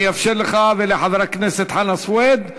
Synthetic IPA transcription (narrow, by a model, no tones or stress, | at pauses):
jafʃɪlːxaːðɪliħɑðˤɾˤɑknɪsɪt̪ħanasˤweːd̪